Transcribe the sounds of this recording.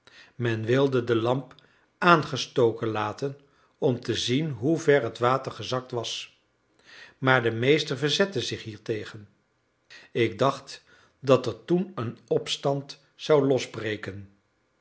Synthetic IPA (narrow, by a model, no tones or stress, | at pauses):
mɛnʋɪlˠdədəlɑmp | ʔaːnχəstowkənlaːtən | ɔmtəzinɦuvɛɹɦətʋaːtəɹχəzɑk̚tʋɑs | maːɹdəmejstəɹvəɹzɛtəzɪχɦiːɹtejχən | ɪɡ̚dɑχt | dɑtɛɹtunənɔpstɑnt | sɑwlɔzbrejkən